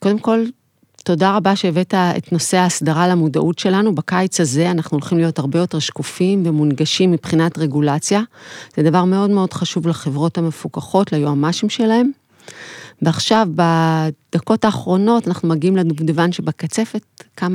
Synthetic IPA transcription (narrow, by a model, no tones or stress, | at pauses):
ko̞de̞mko̞l | to̞daʁabaʃeːvetaḛtno̞se̞aːsdaʁalamuda̰ʔutʃe̞lanubakajt͡saze̞anaχnuolχimlijo̞thaʁbejo̞te̞ʁʃkufimvemunɡaʃimːipχinatʁe̞ɡulat͡sjaz̥edavaʁmeo̞dme̞o̞dχaʃuvlaχe̞vʁo̞thamefukaχo̞tlajoamaʃimʃe̞lahe̞m | veaχʃavbad̪̥ako̞taːχʁo̞no̞tanaχnumaɡiimledudevanʃe̞bakat͡se̞fet̚kama